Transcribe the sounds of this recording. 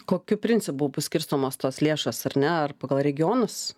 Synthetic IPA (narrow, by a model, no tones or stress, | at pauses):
koːkʲʊpʲɾʲɪnʲtt͡s̪ʲɪpʊpɐsʲkʲɪɾst̪oːmoːst̪oːslʲeːʃɐsɐɾnʲɛɐrpɐːɡɐlˠɾʲɛɡʲɪjoːnɐs